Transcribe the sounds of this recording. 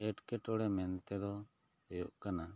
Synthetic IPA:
ɛʈkɛʈɔɽɛmɛnt̪ɛd̪ɔ | hɔjuʔkana

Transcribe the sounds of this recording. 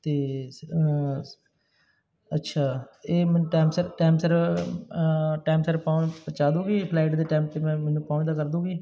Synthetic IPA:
t̪eː | ətːʃʰaːeːmɛːnũːʈaːmsəɾʈaːmsəɾ | ʈaːmsəɾpãːpət͡ʃaːd̪ũːɡiːpʰlaːɪʈd̪eːʈaːmp̚t̪eːmɛ̃ːmɛːnũːpãːd̪aːkəɾd̪ũːɡiː

